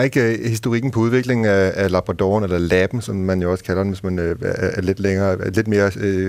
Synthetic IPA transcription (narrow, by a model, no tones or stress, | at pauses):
e̝ɡ̥hisd̥o̝ʁiɡ̥n̩pʰɒ̽uð̞ˠʋe̝ɡ̥le̝ŋn̩æælɑ̈b̥ʁɑd̥ɒ̰ːnelɐlæb̥n̩sɒ̽mːænjo̝ɒ̽skʰælɐdenʋe̝smænːle̝d̥leŋɐːle̝d̥me̝ːɐ